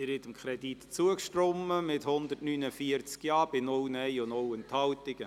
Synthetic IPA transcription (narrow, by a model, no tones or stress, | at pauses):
ɪɾɪt̪əmkʰɾɛdit̪t͡suəkʃtɾɔməmɪthʊnd̪ətnynəfiəɾt͡skjɑːb̥ɪnʊlnɛjʊnowənthɑlt̪ɪɡ̥ə